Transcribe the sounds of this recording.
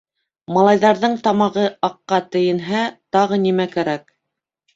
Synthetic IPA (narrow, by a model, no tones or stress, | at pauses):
mɑlˠɑjðɑɾðɤɴt̪ɑmɑʁɤʔɑqːɑt̪ɘ̆jɘ̆nɦæt̪ɑʁɤnimækæɾæk̚